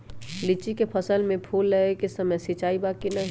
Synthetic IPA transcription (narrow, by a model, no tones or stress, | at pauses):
lɪt͡ʃikepʰəsəlmẽpʰuːlːeekesəməjsit͡ʃaːibaːkinɐɦ